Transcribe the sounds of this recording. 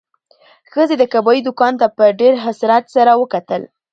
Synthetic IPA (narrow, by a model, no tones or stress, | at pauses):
xəzed̪əkabɑjid̪ʊkɑnt̪apəɖeɾɦasɾat̪saɾawəkat̪əl